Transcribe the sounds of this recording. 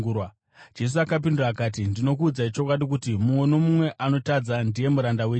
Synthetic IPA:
uwa | d͡ʒe̞s̬uakap̬induraːkaːt̬indino̞k̬uːd͡zait͡ʃo̞kwaɗikutimumwe̞no̞mumwe̞ʔano̞tad͡zandije̞muɾandaweː

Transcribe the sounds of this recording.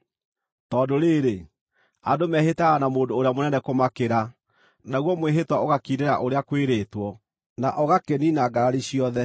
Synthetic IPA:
tɔːdoɾeːɾe | adomɛɦetaɣanamoːdoːɾeamonɛnɛkomakeɾa | naɣwɔmweɦetwaoɣakideɾa̰ʔoɾeakweɾeːtwɔ | naʔɔɣakeninaɡaɾaɾiɕiɔðɛ

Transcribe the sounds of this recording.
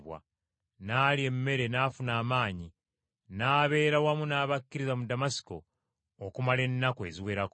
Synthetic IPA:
βwa̰ | naːlie̞mːe̞ɾe̞naːfunaːmaːɲi | naːβe̞ːɾawamunaːβakːiɾizamudamasi̥ko̞̰ː | kumale̞nːakoe̞ziweɾak

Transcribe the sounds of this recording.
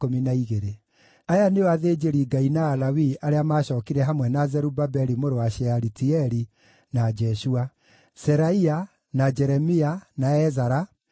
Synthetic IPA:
ominaiɣeɾe | ajaneoaðed͡ʒeɾiɡainaːlawiaɾeamaːɕɔːkiɾɛɦamwɛnazɛɾubabɛɾimoɾowaʃɛaɾitiɛɾi | nad͡ʒɛʃua | sɛɾaia | nad͡ʒɛɾɛmianaɛzaɾa

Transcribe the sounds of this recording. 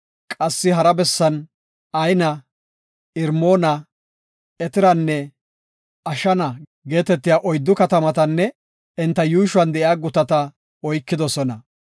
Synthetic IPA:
kʼɐsːɪɦɐɾɐbɛsːɐn | ɐjnɐ | ɪɾmoːnɐ | ɛt̪ɪɾɐnːɛ | ɐʃɐnɐ | ɡe̞ːt̪ɛt̪ːɪjaːʔɔjd̪ːʊkɐt̪ɐmɐt̪ɐnːɛ | ɪnt̪ːɐjuːʃʊwɐnd̪ɛʔjaːɡʊt̪ɐt̪ɐ | ɔjkːɪd̪ɔsɔnɐ

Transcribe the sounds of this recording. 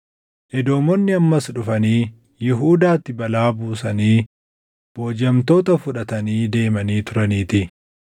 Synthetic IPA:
ʔɪd̪o̞ːmɔnːɪɐmːɐsᶑʊfɐniː | jɪɦuːd̪aːt̪ːɪbɐlaːbuːsɐniː | b̥o̞ːd͡ʒɐmt̪o̞ːt̪ɐfʊᶑɐt̪ɐniːd̪e̞ːmɐniːt̪ʊɾɐniːt̪ɪ

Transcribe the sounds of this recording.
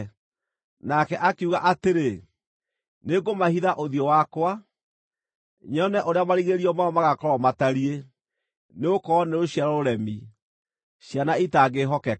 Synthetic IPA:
nakɛʔakeuɣaʔateɾe | neɡomahiðaʔoðiɔwakwa | ɲɔnɛʔoɾeamaɾiɣeɾiɔmaɔmaɣakɔɾɔmataɾie | neokɔneɾoɕjaɾɔoɾɛmi | ɕjanaitaɣeɦɔkɛ

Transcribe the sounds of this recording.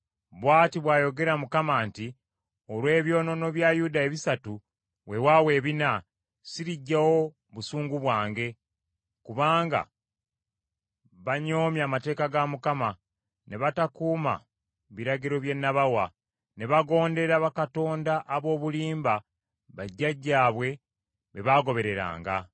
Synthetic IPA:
βwaːtiβwaːjo̞ɡe̞ɾamukamaːnti | o̞lwe̞ːβjo̞ːno̞no̞βjaːjudaeβisatu | we̞wawe̞ːβina | siɾiɟːawo̞ | βusuːŋɡuβwaːŋɡe̞ | kuβaːŋɡa̰ | βaɲo̞ːmjaːmate̞ːkaɡamukama | ne̞βatakuːma̰ | βiɾaɡiɾo̞βje̞nːaβawa | ne̞βaɡo̞ːnde̞ɾaβakato̞ːndaʔːβo̞ːβuliːmba | βaɟːaɟːaːβwe̞ | βeβaːɡo̞βe̞ɾe̞ɾa̰ːŋɡa̰

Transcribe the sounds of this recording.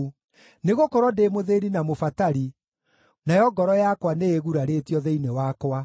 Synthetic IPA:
neɣokɔɾwɔdemoðeɾinamofataɾi | najɔɡɔɾɔjakwaneeɣuɾaɾetjɔðeinewakwa

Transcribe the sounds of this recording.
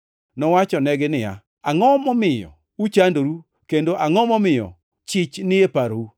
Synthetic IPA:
nɔwat͡ʃɔnɛɡɪnɪja̰ | aŋɔmɔmɪjɔ̰ | ut͡ʃandoɾu | kendoʔaŋɔmɔmɪjɔ̰ | t͡ʃɪt͡ʃnɪepaɾou

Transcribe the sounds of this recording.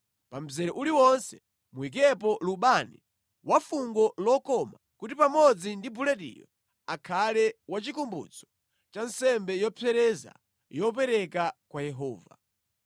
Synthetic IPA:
pam̩zɛɾɔʔuliwɔnsɛ̥ | muik̬ɛp̬ɔluɓanḭ | wʔafuŋɡɔlɔkɔmakut̬ipamɔd͡zindibulɛtḭjɔ̰ | akʰalɛwat͡ʃikumbṵt͡sʰɔ̥ | t͡ʃansɛmbɛjɔpʰɛɾɛza̰ | jɔpɛɾɛkakwajɛɦɔːva

